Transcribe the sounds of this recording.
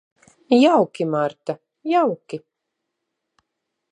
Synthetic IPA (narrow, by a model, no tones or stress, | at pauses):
jawkʲimaɾt̪a | jawkʲi